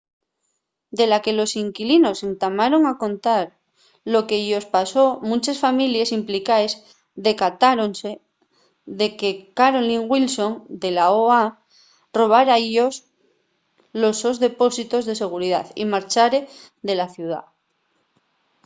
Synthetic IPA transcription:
d̪e̞lake̞lo̞siŋkilino̞se̞nt̪amaɾo̞ŋako̞nt̪aɾ | lo̞ke̞ʝo̞spaso̞mũnt͡ʃesfamiljesimplikaez | ðe̞kat̪aɾonse | ðe̞ke̞kaɾo̞liŋɣwilsõ̞ŋd̪e̞laoa | ro̞β̞aɾaeʎos | lo̞sozðe̞po̞sit̪o̞zðe̞se̞ɣ̞uɾiða̰θḭmaɾt͡ʃaɾe̞ | ðe̞laθjuð̞a̰

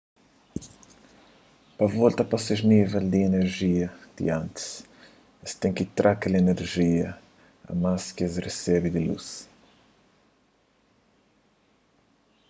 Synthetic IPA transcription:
pɐvɔlt̪ɐpaseʒnivɛld̪ieneɾʒiɐd̪̥ḭɐ̃nt̪i̥s | ɐst̪ɛ̃ŋkit̪ɾʔakeleneɾʒiɐ | ɐ̰maskezresɛbid̪ɪlṵs

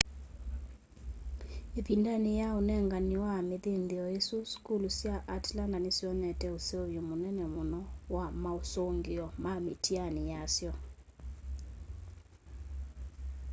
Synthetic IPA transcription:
epindanejaonɛŋɡaniwameðendiɔesuskulusjaʔatlandanesiɔnɛtɛoseoβjomonɛnɛmonɔwamaosoŋɡeɔmamḛtianijasjɔ

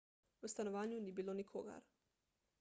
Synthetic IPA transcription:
ust̪anoʋaːɲunibiːlonikʰo̰ɡa̰ɾ

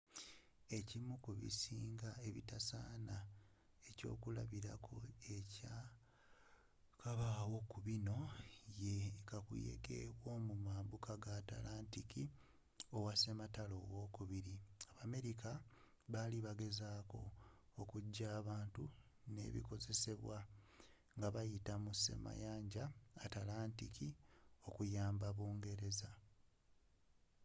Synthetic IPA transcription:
e̞cimukuβḭsiːŋɡae̞βḭtasaːna | e̞co̞̰ːkula̰βiɾakʰoeca | kaβaːwo̞kuβino̞jekakṵjḛɡḛβwo̞ːmumaːmbukʰaɡata̰laːntiki | o̞wase̞matalo̞ːɣo̞ːkuβiɾiaβame̞ɾika | βaliβaɡe̞zaːko̞̰okuɟːaːβaːntu | ne̞̰ːβḭko̞ze̞se̞βwa | ŋɡaβajitamuse̞̰ma̰jaːɲɟaːtalaːntikʰio̞kujaːmbaβoːŋɡe̞ɾe̞za

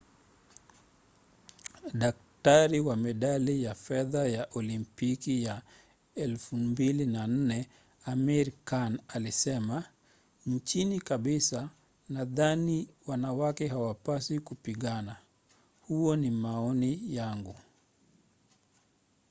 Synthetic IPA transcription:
ɗak̚taɾiwamɛɗalijafɛðajaʔɔlimpikija | ɛlfumbilinan̩nɛ | amiɾkanalisɛma | ɲt͡ʃinikaɓisa | naðaniwanawakɛhawapasikupiɠana | huɔnimaɔnijaŋɡu

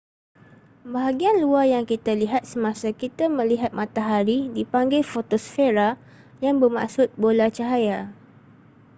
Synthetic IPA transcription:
baɦaɡianluajaŋkit̪aliɦat̪̚səmãsakit̪amə̃liɦat̪̚mãt̪aɦaɾidipaŋɡajfot̪osfeɾa | jaŋbəma̰ʔsʊt̪̚bolat͡ʃaɦaja

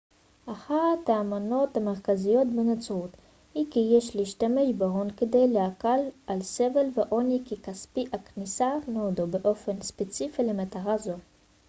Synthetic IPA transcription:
ʔaχat̪haːmano̞t̪hameʁkazijo̞t̪benat͡sʁut̪ | hikijeʃliiʃt̪ame̞ʃbeʁonked̪e̞jleakalʔalsevelveʔonikikaspiʔaknisanodobeʔo̞fenspet͡sifilemat̪aʁazo̞

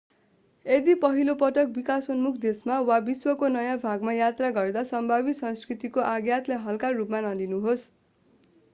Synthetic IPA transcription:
ed̪ipʌɦilopʌʈʌk̚bikasʌnmukʰd̪esmawabiswʌkonʌjãbʱaɡmajat̪raɡʌrd̪asʌmbʱabit̪sʌ̃nskrit̪ikoʔaɡjat̪laɦʌlkarupmanʌlinuɦos

